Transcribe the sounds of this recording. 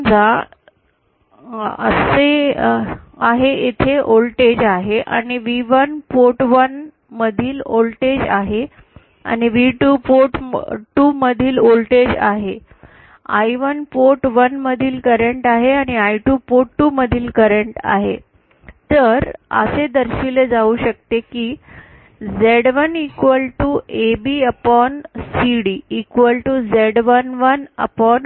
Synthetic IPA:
d͡za | əse | aɦeʔet̪ʰeʔolʈed͡ʑaɦeʔa̰ñiʋiʋənpoʈʋən | məd̪ʱiːlolʈed͡ʑaɦe | a̰ñiʋiʈuːpoʈʈuːməd̪ʱiːlolʈed͡ʑa̰ɦe | a̰jʋənpoʈʋənməd̪ʱiːlkəɾeɳʈaɦeaɽ̃iaiʈuːpoʈʈːuːməd̪ʱiːlkəɾeɳʈa̰ɦḛ | t̪əɾə̰sed̪əɾɕiled͡zauɕək̚t̪ekiː | d͡zeɽʋənikʋəlʈuʔebiːəpɔnsiɽiːkʋəlʈud͡zeɽʋənʋənə̰pɔn

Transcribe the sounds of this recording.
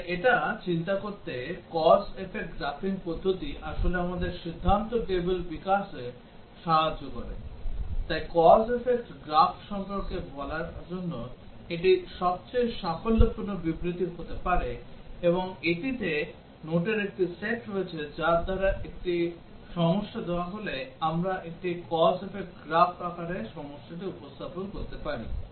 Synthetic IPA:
eʈat͡ɕint̪akoɾt̪ekɔsefek̚ʈɡɾafiŋpod̪ʱːot̪iʔaʃoleamad̪eɾʃid̪ʱːant̪oʈebelbikaʃe | ʃaɦad͡ʑːokɔɾḛt̪ajkɔsefek̚ʈɡɾafʃɔmpoɾkebʱɔlaɾd͡ʑonːo | eʈ̬iʃɔb̚t͡ɕejʃakʰolːopunːobibɾit̪iɾɦot̪epaɾeeboŋeʈit̪e | noʈeɾek̚ʈiseʈɾoet͡ɕʰed͡ʑaɾd̪ʱaɾaʔek̚ʈi | ʃɔmoʃːad̪eoaɦoleamɾaʔek̚ʈikɔsefek̚ʈɡɾafakaɾeɾʃɔmoʃːaʈ̬iupost̪aponkoɾt̪epaɾḭ

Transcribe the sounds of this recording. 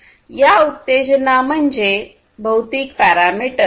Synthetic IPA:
jaut̪ːed͡ʑnam̤əɳd͡ʑe | bʱəwt̪iːkpæɾamiʈə

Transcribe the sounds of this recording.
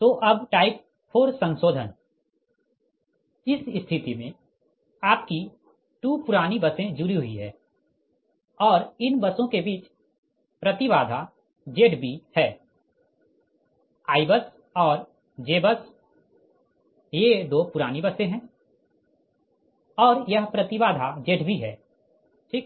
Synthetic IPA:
t̪oːʔɐbʈaːɪp̚ | pʰoːɾsə̃nsoːd̪ʱən | ɪsst̪ʰɪt̪imẽ | aːp̚ki | ʈuːpʊɾaːnibɐsẽd͡ʒʊɾiɦʊiɦɛ̰ː | ɔːɾɪnbɐsõkebiːt͡ʃ | pɾɐt̪iʋaːd̪ʱa | d͡ʒeːʈbʱihɛː | aːɪbəs | ɔːɾ | d͡ʒeːbəs | jed̪oːpʊɾaːnibɐsẽɦɛ̃ː | ɔːɾjɐɦpɾɐt̪ɪʋaːd̪ʱad͡ʒeːʈbʱiɦɛː | ʈʰiːk

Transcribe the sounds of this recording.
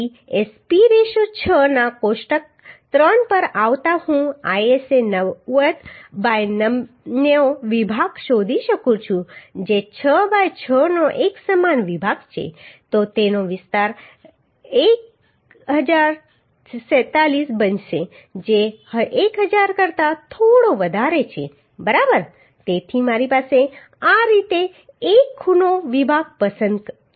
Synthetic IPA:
espiɾeʃot͡ʃʰənakoʃʈək̚ | t̪ɾənpəɾaʋt̪ahũajesenəʋət̪bajnə | neoʋibʱaɡʃod̪ʱiʃəkũt͡ʃʰũd͡ʒet͡ʃʰəbajt͡ʃʰənoʔeksəmanʋibʱaɡt͡ʃʰḛt̪ot̪enoʋɪst̪aɾ | ek | ɦəd͡ʒaɾ | sɛt̪alisbənʃe | d͡ʒeəekɦəd͡ʒaɾkəɾt̪at̪ʰoɽoʋəd̪ʱaɾet͡ʃʰḛ | bəɾabəɾ | t̪et̪ʰimaɾipase | aɾit̪e | ekʰːunoʋibʱaɡ̚pəsənd̪

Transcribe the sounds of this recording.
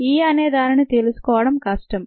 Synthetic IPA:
iːɐneːd̪aːninit̪e̞lusu̥kɔːʋɐɽɐmkɐʂʈɐm

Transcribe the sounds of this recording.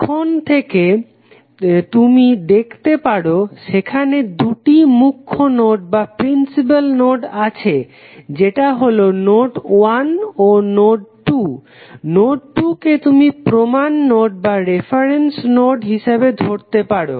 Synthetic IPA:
kʰont̪ʰeke | t̪umid̪ekʰt̪epaɽoʃekʰaned̪uʈimukʰːonoɖ̚bapɾinsip̬alnoɖat͡ɕʰe | d͡ʑeʈaɦolonoɖwanonoɖʈu | noɖʈuket̪umipɾomanːoɖ̚baɾefʰaɾensnoɖɦiʃabed̪ʱoɾt̪epaɽo̰

